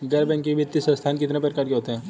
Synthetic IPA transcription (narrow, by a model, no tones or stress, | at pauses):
ɡɐɾbɛ̃ŋkibit̪ːisɐ̃st̪ʰaːnkɪt̪napəɾkaːɾkeɦoːt̪eɦɛ̃ː